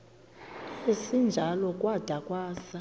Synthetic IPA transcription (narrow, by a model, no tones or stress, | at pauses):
esind͡ʒʱalɔkʼwad̥ʱakʼwaːsa